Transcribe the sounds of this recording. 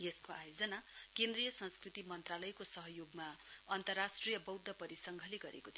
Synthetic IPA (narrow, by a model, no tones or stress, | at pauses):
jeskoajod͡zʌnakend̪rijʌsʌ̃nskrit̪imʌnt̪ralʌjkosʌɦʌjoɡmaʌnt̪ʌrːasʈrijʌbʌwd̪ʱːʌpʌɾisʌŋɡʱʌliɡʌɾḛkot̪ʰi